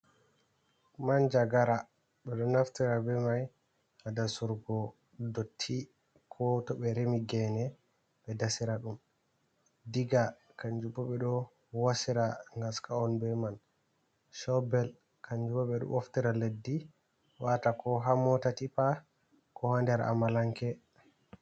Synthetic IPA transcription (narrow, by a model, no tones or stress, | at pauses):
mand͡ʒaɡaɾa | ɓɛɗɔnaftiɾabɛmaj | hadasuɾɡɔ | dotʰːi | kʰɔtɔɓɛɾemiɡɛnɛ | ɓɛdasiɾaɗum | diɡa | kaɲd͡ʒubɔɓɛɗɔ | wasiɾaŋɡaskaɔnbɛman | ʃɔbɛl | kʰaɲd͡ʒubaɓɛɗɔ̰ʔoftiɾaledːi | watakɔɦamɔtatipa | kɔhandɛɾaʔa̰malaŋkɛ